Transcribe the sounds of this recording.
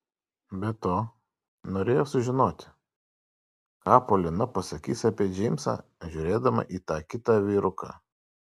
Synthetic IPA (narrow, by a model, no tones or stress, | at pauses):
bʲɛt̪oː | noːɾʲeːjoːsʊʒʲɪnoːt̪ʲɪ | kɑːpoːlʲɪnɐpɐsɐkʲiːsɐpʲeːd͡ʒʲɛɪmʲsɑ̰ːʒʲuːɾʲeːd̪ɐmɐ̰ʔiːt̪ɑːkʲɪt̪ɑːʋʲiːɾʊkɑ̰